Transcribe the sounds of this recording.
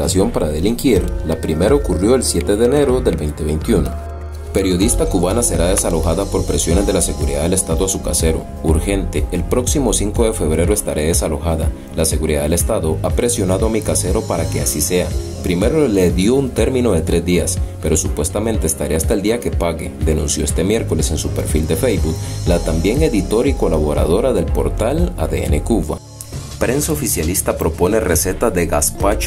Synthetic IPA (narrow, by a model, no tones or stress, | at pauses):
asjo̞mpaɾaðe̞liŋkiɾlapɾime̞ɾaokurjo̞elsje̞t̪e̞ðeːne̞ɾo̞ðe̞lbejnt̪e̞βejnt̪juno̞̰ | pe̞ɾjo̞ðist̪akuβanase̞ɾaðe̞salo̞xaðapo̞ɾpɾe̞sjo̞ne̞zd̪e̞lase̞ɣuɾḭðaðele̞st̪aðoasuka̰se̞ɾo̰ | uɾxe̞nt̪e̞ːlpɾo̞ksimo̞siŋko̞ðe̞fe̞βɾe̞ɾoe̞st̪aɾʔe̞ðe̞salo̞xaða | lase̞ɣuɾiðaðelest̪aðo̞apɾe̞sjo̞naðoamikase̞ɾo̞paɾake̞asise̞apɾime̞ɾole̞ðjo̞unt̪e̞ɾmĩno̞ðe̞t̪ɾe̞zd̪iaspe̞ɾo̞supwe̞st̪ame̞nt̪e̞ːst̪aɾe̞ast̪aeld̪iake̞paɣe̞d̪e̞nṵ̃nsjo̞e̞st̪e̞mje̞ɾko̞le̞se̞nsupe̞̰ɾfild̪e̞fejbuklat̪ambje̞ŋe̞ðit̪o̞ɾiko̞laβo̞ɾa̰ðo̞ɾaðe̞lpo̞̰ɾt̪ala̰ðḛḛnekuβa̰ | pɾe̞nsaofisjalist̪apɾo̞po̞ne̞rese̞t̪aðe̞ɣaspat͡ʃ